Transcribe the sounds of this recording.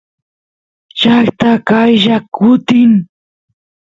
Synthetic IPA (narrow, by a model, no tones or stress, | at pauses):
t͡ʃakt̪akajʒakʊt̪ɪŋ